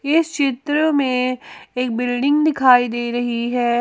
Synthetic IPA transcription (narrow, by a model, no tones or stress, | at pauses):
ɪst͡ʃɪt̪ɾəmẽeːk̚bɪlɖɪ̃ŋɡd̪ɪkʰaːid̪eːɾɐɦiɦɛː